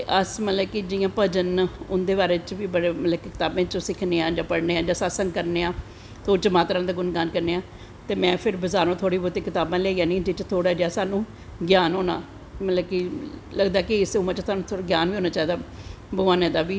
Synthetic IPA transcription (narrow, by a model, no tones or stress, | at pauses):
t̪eʔəsmət̪ləbkid͡ʒɪjãːpəd͡ʒənʊnd̪eːbaːɾeːt͡ʃʋiːbəɽeːmət̪ləbkɪkɪt̪aːbẽːt͡ʃõsɪkʰneːãːd͡ʒaːpəɽneːaːd͡ʒaːsaːsəŋɡkəɾneːãː | t̪oːt͡ʃəmaːt̪əɾãːd̪aːɡʊnɡaːnkəɾneːãː | t̪eːmɛ̃ːpʰɪɾbəzaːɾõːt̪ʰoːɽiːboːɾt̪eːkɪt̪aːbãːlɛːiːãːnĩːd͡ʒet͡ʃt̪ʰoːɽaːd͡ʒaːsaːnũː | ɡjaːnɦoːna̰ː | mət̪ləbkiləɡd̪aːkɪɪsːmãːt͡ʃt̪ʰaːnũːt̪ʰːɡjaːnʋiːɦoːnaːt͡ʃaːiːd̪aː | bəaːnẽːd̪aːʋiː